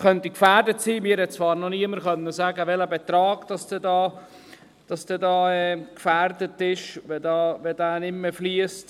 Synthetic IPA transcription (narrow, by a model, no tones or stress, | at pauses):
χœntikfæːɾdətsiːmɪːɾhɛt̚t͡svɑːɾnɔniəməɾχœnːəsæːɡəʋɛləbɛt̪ɾɑːɡ̥d̥ɑsd̥ɛdɑː | d̥ɑsd̥ɛdɑːɛːkfæːrdətɪʃʋɛdɑːʋɛdæːnɪmːəfliəst